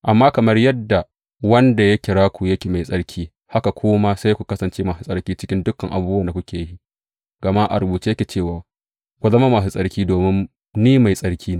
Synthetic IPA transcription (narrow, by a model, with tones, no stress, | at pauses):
ʔa˨mːaː˦kɐ˨mɐ˦rjɐ˦dːa˨ | wɐ˦nda˨jɐ˦kʲɪ˨ɽaː˦kʷu˨jɐ˦kʲeː˨ma˨jsʼɐ˦ɽkʲʰiː˦ | ha˦ka˨kʷʰoː˦ma˦sa˦jkʷu˨kɐ˦sɐ˨nt͡ʃeː˦maː˨su˨sʼɐ˦rkʲiː˦t͡ʃɪ˦kʲɪ˦ndʊ˦kːɐ˨ŋʔa̰˨buː˦ba˨nda˨kʷʊ˦kʲeː˨jji˦ | ɡ̥ɐ˨ma˦ʔa̰˨ɾʊ˨buː˨t͡ʃi˦jɐ˦kʲeː˨t͡ʃeː˦˨waː˨ | kʷu˨zɐ˦ma˦maː˨su˨sʼɐ˦rkʲiː˦doː˨mɪ˦n | niː˦ma˨jsʼɐ˦rkʲʰiː˦ne˦